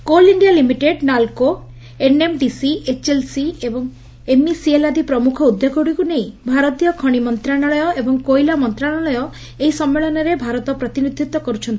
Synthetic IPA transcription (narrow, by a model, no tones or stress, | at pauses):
koliɳɖijalimiʈeɖnalko | enemɖisiet͡ʃelsiebɔŋ | emisielad̪ipɾɔmukʰɔud̪joɡɔɽikunej̃bʱaɾɔt̪ijɔkʰɔɽ̃imɔnt̪ɾaɽ̃ɔɭɔjɔʔebɔŋkojlamɔnt̪ɾaɽ̃ɔɭɔjɔ | eɦisɔmːeɭɔnɔɾebʱaɾɔt̪ɔpɾɔt̪inid̪ʱjut̪wɔkɔɾut͡ʃʰɔnt̪i̥